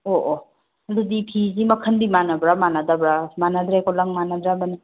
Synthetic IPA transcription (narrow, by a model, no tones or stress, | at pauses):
ɔʔɔ | ɐdudipʰizimɐkʰəndimanabɾamanadabɾamanad̪ɾajkɔlaŋmanadɾamani